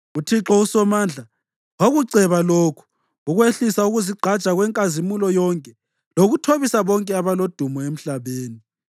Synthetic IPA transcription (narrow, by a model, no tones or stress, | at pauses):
utʰiǁɔusɔmaːnd͡ɮʱa | woɣuǀʱɛβalokʰu̥ | uɣweɬisauɣuziɡ͡ǀʱḁt͡ʃʼaɣwɛŋkʼazimulɔjɔŋkʼɛ | loɣutʰoβisaβɔŋkʼɛaβalod̥ʱumɔem̩ɬaβeːni